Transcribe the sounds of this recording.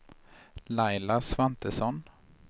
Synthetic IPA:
lajlasvant̪əsɔn

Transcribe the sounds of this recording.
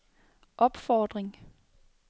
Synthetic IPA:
ʔɒ̽b̥fɒːd̥ʁeŋ

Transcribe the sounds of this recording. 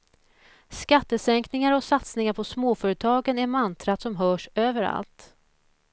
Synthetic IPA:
skat̪ːəsɛŋknɪŋaɾɔsat̪snɪŋaɾpʰɔsmoːfœːɾət̪ʰɑːɡənæɾmant̪ʰɾat̪sɔmɦœːʂøːvəɾa̰lt̪

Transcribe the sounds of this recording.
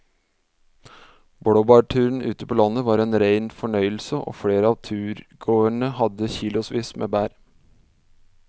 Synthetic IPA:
bɽoːbɑːʈʰʉːɾən̩ʔʉ̰ːt̪əpʰoːlɑnəʋɑːɾeːnɾeɪnfɔɳœʏl̩səʔo̰ːfɽeːɾəɑːʋt̪ʰʉːɾɡoːəɳəhɑd̪əçiːlʊsʋiːsmḛːbæːɾ

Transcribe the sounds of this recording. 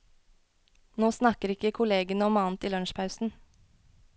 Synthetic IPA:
noːsnɑkəɾɪkəkʰʊleːɡənəɔmɑːn̩t̪iːlœnʃpʰɑʉsn̩

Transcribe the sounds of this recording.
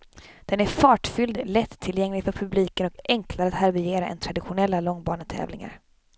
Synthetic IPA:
d̪̥ɛnæɾfɑːʈfʏld̪lɛt̪ʰːɪljɛŋlɪɡfœɾpʰɵbliːkənɔkɛŋklaɾəat̪haɾvɪeːɾaʔɛ̰nt̪ʰɾad̪ɪɧʊnɛlːalɔŋːbɑːɳət̪ʰɛ̰ːvlɪŋa̰ɾ

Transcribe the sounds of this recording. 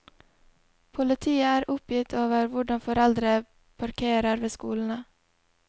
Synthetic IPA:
pʰʊlət̪ʰiːəæːɾʊpjɪt̪ʰoːʋəɾʋʊɖɑnfɔɾɛld̪ɾə | pʰɑɾkʰeːɾəɾʋeːskuːln̩ə

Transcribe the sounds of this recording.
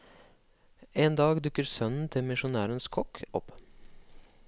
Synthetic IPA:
eːnd̪ɑːɡd̪ʉkəɾsœnn̩t̪ʰɪlmɪʃʊnæːɾənskʰɔkɔp

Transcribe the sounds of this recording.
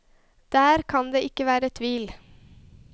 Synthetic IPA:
d̪̥æːɾkʰɑnd̪eːʔɪkəʋæːɾət̪ʰʋiːl

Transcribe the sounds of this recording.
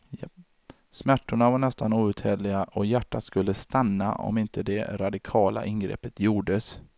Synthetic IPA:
smæʈːʊɳavaɳɛst̪anuːʉ̟ːt̪hɛɾlɪɡaʔɔjæʈːat̪skɵlːəst̪anːa̰ʔɔ̰mɪnt̪ʰəd̪ɛɾad̪ɪkʰɑːla̰ʔɪnɡɾɛ̰ːpːət̪juːɖəs

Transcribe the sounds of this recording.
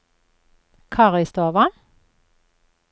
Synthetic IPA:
kʰɑʁɪst̪oːʋɑn

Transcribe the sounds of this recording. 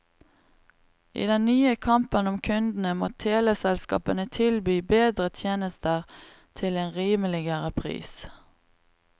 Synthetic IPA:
ʔḭːd̪ɛnnyːəkʰɑmpənɔmkʰʉnd̪n̩əmoːt̪ʰeːlɛːsɛlskɑ̰ːpənət̪ʰɪlbyːbeːd̪ʁət̪ʰjeːnəst̪əʁ | t̪ʰɪleːnʁiːməlɪɡəʁəpʰʁḭːs

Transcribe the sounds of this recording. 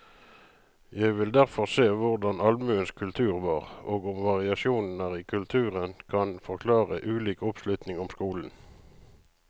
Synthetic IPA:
jæɪʋɪld̪æʁfɔʁseːʋʊʁd̪ɑnɑlmʉːənskʰʉlt̪ʰʉːʁʋɑːʁoːɡʊmʋɑʁɪɑʃuːnn̩æːʁiːkʰʉlt̪ʰʉːʁənkʰɑnfɔʁkʰlɑːʁəʔʉːliːkʊpslʉt̪nɪŋʊmskuːln̩

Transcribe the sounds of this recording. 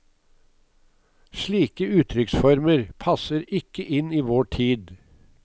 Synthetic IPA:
ʃɭiːkəʉːt̪ʰɾʏksfɔɾməɾpʰɑsəɾɪkəʔɪniːʋoːʈʰiːd̪

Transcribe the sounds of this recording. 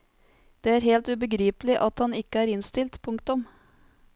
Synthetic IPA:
d̪̥eːæːɾheːlt̪ʉːbəɡɾiːpəlɪʔɑt̪hɑnɪkːəæːɾɪnst̪ɪlt̪pʰʊŋkt̪ʊm

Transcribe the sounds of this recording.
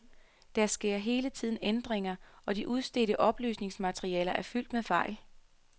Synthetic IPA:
d̥æɐsɡ̥e̝ɐ̰ɦe̝ːlət͡sʰið̰ˠn̩end̥ʁeŋɐʔɒ̽d̥iʔuð̞ˠsd̥e̝ɾəʔɒ̽b̥ly̰ːsne̝ŋsmæt͡sʰʁiɛːlɐʔæɐfyl̰d̥meðˠfɑ̈ɪ̰l

